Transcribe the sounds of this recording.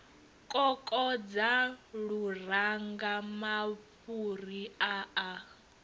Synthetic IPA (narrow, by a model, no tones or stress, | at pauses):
kʼɔkʼɔd͡zaɺuraŋɡamaɸuriaa